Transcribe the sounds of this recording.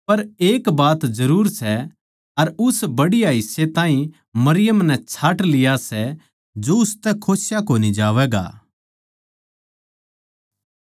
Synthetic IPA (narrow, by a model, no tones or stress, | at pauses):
pɐɾeːkbaːt̪zɐɾuːɾsɛ | ɐɾʊsbɐɽɪjaɦɪsːet̪ãːɦĩ | mɐɾɪjəmnɛ̃t͡ʃʰaːʈlɪjasɛ | d͡ʒoʊst̪ɛkʰoːsjakoːnid͡ʒaːʋɛːɡa̰ː